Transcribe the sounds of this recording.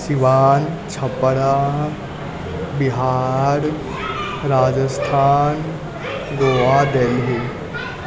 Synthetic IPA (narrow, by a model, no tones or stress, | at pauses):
siʋaːnt͡ʃʰɐpːɽa | bɪɦaːɾ | ɾaːd͡ʒəst̪ʰaːn | ɡoːʋad̪əiɦe